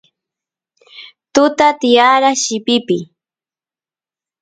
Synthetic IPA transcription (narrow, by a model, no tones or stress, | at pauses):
t̪ʊt̪at̪ɪjaɾaʃɪpɪpɪ